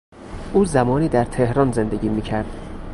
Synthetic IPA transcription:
ʔuːzæmɒːniːd̪æɾt̪ʰe̞hɾɒːnze̞nd̪eɟiːmiːcʰæɾd̪̥

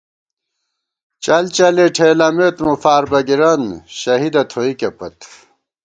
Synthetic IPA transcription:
t͡ɕɐlt͡ɕɐleʈʰeːlɐmet̪mufaːɾbɐɡiɾɐnɕɐɦid̪ɐt̪ʰoikɐpɐ̰t̪

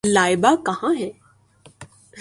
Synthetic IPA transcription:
laːɪbakɐɦãɦɛː

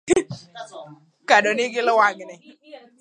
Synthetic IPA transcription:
kadɔneɡɪlɪwaɡɪne

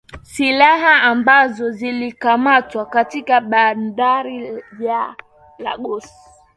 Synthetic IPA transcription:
silaɦaːmbazɔzilikamatwakatikaɓandaɾija | la̰ɠɔs

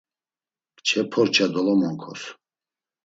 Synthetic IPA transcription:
t͡ʃʰɛpʰɔɾt͡ʃʰad̪ɔlɔmɔŋkʰɔ̰s

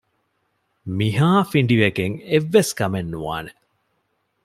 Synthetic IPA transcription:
miɦaːfiɳɖiʋeɡeŋeʋːeskɐmenːuʋa̰ːne

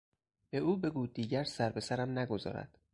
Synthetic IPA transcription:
b̥e̞uːbe̞ɡuːd̪ːiːɟæɾsæɾbe̞sæɾæmnæɡo̞zɒ̰ːɾæ̰d̪̥

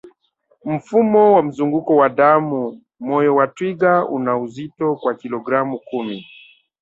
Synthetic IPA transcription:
m̩fumɔwam̩zuŋɡukɔwaɗamu | mɔjɔwatwiɡaṵnauzitɔkwakilɔɡɾamukumi

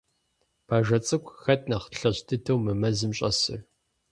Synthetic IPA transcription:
pʰaːʒɐt͡sʼɨkʷʰʼxɐt̚ʰʼnɐχɬɐɕtʰɨtʰɐwmɨmɐzɨmɕʼɐ̰sɨ̰r

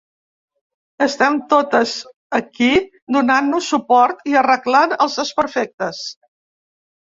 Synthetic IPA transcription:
əst̪ɛmt̪ot̪əz | əki | d̪unanːusːupɔɾt̪iərəklanəlˠzðəspəɾfɛk̚t̪əs

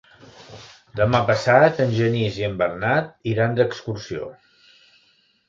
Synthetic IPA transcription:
d̪əmapəsat̪ənʲʒəniziəmbəɾnat̪̚iɾand̪əkskuɾsio̰

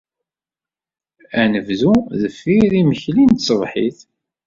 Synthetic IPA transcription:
ænəvðuðəfːiðiməçlint̪sˤəvħiθ

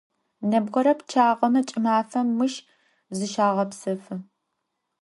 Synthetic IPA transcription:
nɐbʁɐɾɐpt͡ʃʰaːʁɐmɐt͡ʃʼɪmaːfɐmːɨʃ | zɨʃaːʁɐpsɐfɨ

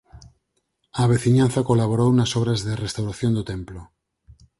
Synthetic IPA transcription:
aːβ̞eθiɲan̟θakolaβoɾownasoβ̞ɾazðerest̪awɾaθjond̪ot̪emplo

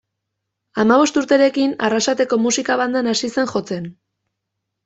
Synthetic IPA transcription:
amaβ̞o̞st̪uɾt̪e̞ɾe̞kinarasat̪e̞ko̞musikaβand̪anasise̞ŋxo̞t͡se̞n

